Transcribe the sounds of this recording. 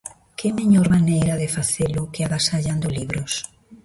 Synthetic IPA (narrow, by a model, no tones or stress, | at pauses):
kemeɲɔɾmanejɾaðɪfaθelʊkɪaβasaʎand̪ʊliβɾʊs